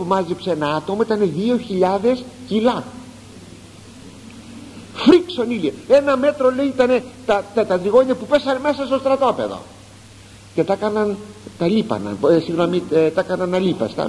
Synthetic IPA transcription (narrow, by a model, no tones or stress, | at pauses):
pumɐzipseenɐɐt̪o̞moit̪ɐne̞ðio̞çiʎɐðe̞scilɐ | fɾiksonilieenɐme̞t̪ɾo̞le̞iit̪ɐne̞t̪ɐt̪ɐt̪ɐt̪ɾiɣo̞ɲɐpupe̞sɐneme̞sɐst̪o̞st̪ɾɐt̪o̞pe̞̰ðo̞̰ | ce̞t̪ɐkɐnɐnt̪ɐlipɐ̰nɐ̰nsiɣnomit̪ɐkɐnɐnːɐlipɐ̰st̪ɐ̰